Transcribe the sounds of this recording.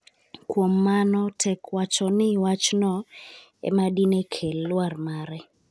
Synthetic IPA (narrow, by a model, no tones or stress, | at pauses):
kwomːanɔtʰɛkwat͡ʃɔnɪwat͡ʃnɔ | ɛ̰madinekʰelːwarmaɾɛ